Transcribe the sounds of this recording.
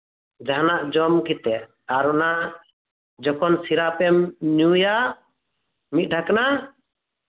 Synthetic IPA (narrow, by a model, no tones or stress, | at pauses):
d͡ʒaɦnaʔd͡ʒɔmkit̪ɛ | aɾɔna | d͡ʒɔkɔnsiɾapɛmɲuja | mit̪̚ˀɖʰʱakana